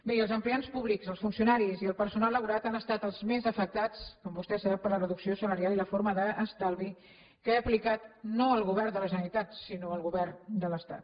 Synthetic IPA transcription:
beəlˠzəmplianspuβlikzəlˠsfunsiunaɾiziəlˠpəɾsunalːəβuɾat̪anəst̪at̪əlˠzmezəfək̚t̪at͡skɔmbust̪ɛsəɾapəɾlərəðuksiosələɾjaliləfoɾməðəʔːst̪alˠβi | keəplikat̪noəlˠɣuβɛrnd̪ələʒənəɾit̪at̪sinoəlˠɣuβɛrnd̪ələst̪a̰t̪

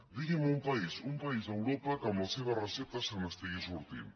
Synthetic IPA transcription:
d̪iɣimoumpaisumpais̬awɾopakamoseβaraset̪asamast̪eɣisuɾt̪ḭ

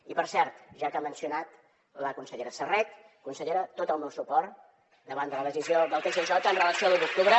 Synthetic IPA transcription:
ipəɾsɛɾt̪ʒakamənsiunat̪ | ləkunsəʎeɾəsərɛt̪ | kunsəʎeɾət̪ot̪əlˠmewsupɔɾt̪ | d̪əβand̪ələðəsizioðəlˠt̪eʃəʒɔt̪ənrələksiolˠuβuk̚t̪uβɾə

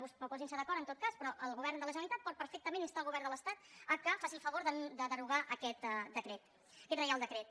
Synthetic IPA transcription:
uspɾupɔzinsəðəkɔɾənot̪̚kaspɾɔʔəlˠɣuβɛrnd̪ələʒənəlit̪at̪̚pɔt̪̚pəɾfɛk̚t̪əmenist̪aəlˠɣuβɛrnd̪ələst̪at̪əkəfasifəβoɾðəd̪əðəruɣaʔəkɛt̪d̪əkɾɛt̪ | əkɛt̪rəjalˠd̪əkɾɛt̪

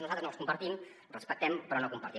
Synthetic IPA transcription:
nuzalt̪ɾəznolˠskumpəɾt̪im | rəspək̚t̪ɛmpɾɔnokumpəɾt̪i

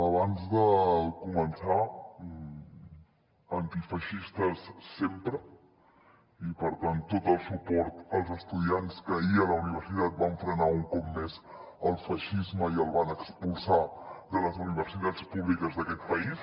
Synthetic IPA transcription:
əβanzðəkumənsa | ənt̪ifəʃist̪əsːempɾə | ipəɾt̪ant̪ːot̪əlˠsupɔɾt̪əlˠzəst̪uðianskəiələuniβ̞əɾsit̪at̪̚baɱfɾənauŋkɔp̚mez | əlˠfəʃizməiəlˠβanəkspulˠsad̪ələzuniβəɾsit̪at͡spuβlikəzðəkɛt̪̚pəis

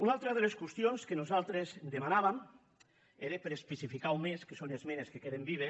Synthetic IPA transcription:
unalˠt̪ɾaðeleskwest̪jonskenozalˠt̪ɾezd̪emanaβam | eɾepeɾespesifikawmeskesonezmeneskekeðembiβe

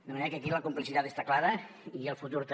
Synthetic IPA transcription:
d̪əməneɾəkeək̬iləkumplisit̪at̪est̪aklaðə | iəlˠfut̪uɾt̪

